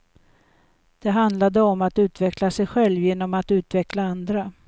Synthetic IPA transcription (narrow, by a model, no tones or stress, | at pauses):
d̪̥ɛɦand̪lad̪əɔmat̪ʉ̟ːt̪vɛklasɛjɧɛlvjeːnːɔmat̪ʉ̟ːt̪vɛklaand̪ɾa